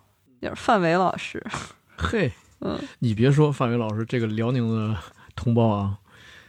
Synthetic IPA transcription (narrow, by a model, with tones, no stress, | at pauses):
t͡ɕo̰˥˧ʊ˩˧fa˥˩nwe˧˥ɪlɑ˨˩ʊʂɻ̩˥ | xe˥˩ɪ | n̩̰˥˩ni˨˩pjɛ˧˥ʂ̬wɔ˥fa˥˩nwe˧˥ɪlɑ˨˩ʊʂɻ̩˧˥ʈ͡ʂɤ˥˩ɡə˩ljɑ˧˥ʊni˧˥ŋd̪ə˧t̪ʰʊ˧˥ŋpɑ˥˩ʊɐ˩